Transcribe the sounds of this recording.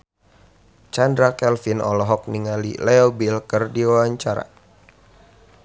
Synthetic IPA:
t͡ʃandɾakɛlfinɔ̰lɔɦɔk̚niŋalḭlɛɔbilkərdiwawaɲt͡ʃaɾa̰

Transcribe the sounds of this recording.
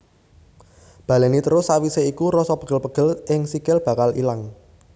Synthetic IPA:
b̥ä̤lenit̪əɾʊsawiseikuɾɔsɔpəɡ̥ə̤lpəɡ̥ə̤lɪŋsikɪlb̥ä̤kalḭlaŋ

